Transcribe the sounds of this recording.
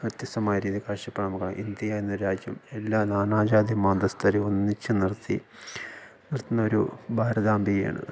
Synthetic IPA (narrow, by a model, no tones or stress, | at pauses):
ʋɐt̪jɐst̪ːɐmaːjɐɾiːðikaːʂɐpːɐɳɐmɐkːaʔḭnd̪jɐjaːjenːɐɾaːd͡ʑjɐmelːaːnaːnaːd͡ʑaːd̪jɐmaːnd̪ɐst̪ʰɐɾeonːit͡ɕːɨnirt̪ːḭ | nirt̪ːinːɐo̞ɾubʱaːɾɐd̪aːmbʱijɐja̰ːɳɨ̰